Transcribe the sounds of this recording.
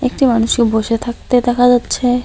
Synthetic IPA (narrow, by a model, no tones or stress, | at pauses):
ekʈimanuʃkeboʃet̪ʰak̚t̪ed̪ɛkʰad͡ʑatːɕʰe